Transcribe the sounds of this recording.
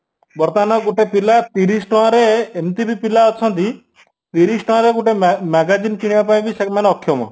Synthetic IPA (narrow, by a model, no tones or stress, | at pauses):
bɔɾt̪anɔɡuʈepilat̪iɾisʈɔãɾeemt̪ibipilaɔt͡ʃʰʌ̃nt̪i | t̪iɾisʈɔ̃ãɾekuʈemɛɡad͡ʒinkiɽ̃iʋapaĩɡisekmanɔkʰːjɔmɔ̰